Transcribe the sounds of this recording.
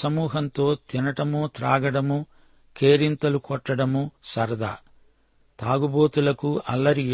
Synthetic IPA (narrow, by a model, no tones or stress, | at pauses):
sɐmuːɦɐnt̪o̞ːt̪inɐʈɐmut̪ɾaːɡɐɽɐmu | kʰe̞ːɾint̪ɐlukɔʈːɐɽɐmusɐɾd̪ʱɐ̰ː | t̪aːɡuboːt̪ulɐkuʔɐlːɐɾi